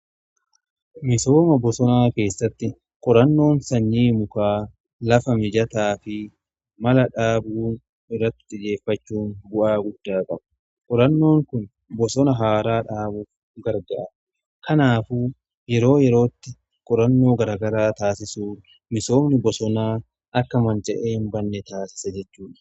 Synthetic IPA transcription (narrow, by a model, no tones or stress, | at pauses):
mɪso̞ːmɐbɔsɔnaːke̞ːsːɐt̪ːɪ | kʼɔɾɐnːo̞ːnsɐɲːiːmʊkaː | lɐfɐmɪd͡ʒɐt̪aːfɪ | mɐlɐᶑaːbuːn | ɪrːɐt̪ːɪ̥t̪ɪd͡ʒe̞ːfːɐt͡ʃːuːnbʊʔaːɡʊd̪ːaːkʼɐb | kʼɔɾɐnːo̞ːŋkʊn | bɔsɔnɐɦaːɾaːᶑaːbʊf | ɡɐɾɡɐʔɐ | kɐnaːfu | jɛɾo̞ːjɛɾo̞ːt̪ːɪ | kʼɔɾɐnːo̞ːɡɐɾaɡɐɾaːt̪aːsɪsuː | mɪso̞ːmnɪbɔsɔnaː | ʔɐkːɐmɐnd͡ʒʼɐʔeːnbɐnːɛt̪aːsɪ̥sɐd͡ʒɛt͡ʃːuːᶑɐ̥